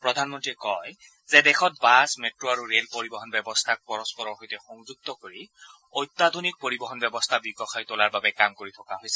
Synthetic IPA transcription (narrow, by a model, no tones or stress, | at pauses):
pɹɔdʱanmɔntɹikɔj | zɛdɛxʰɔt̚basmetɹoaɹuɹelpoɹibɔɦɔnbɛbɔst̪ʰak̚pɔɹɔspɔɹɔɹxojtɛxɔŋzuɡ̚tɔkoɹi | ojt̪ːad̪ʱonik̚poɹibɔɦɔnbɛbɔstʰabiɡɔxajtolaɹbabɛkamkoɹitʰɔkaɦojsɛ̥